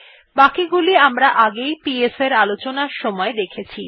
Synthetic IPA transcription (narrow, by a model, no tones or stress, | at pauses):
bakiɡuliamɾaʔaɡejpieseɾalot͡ɕonaɾʃɔmɔed̪ekʰet͡ɕʰi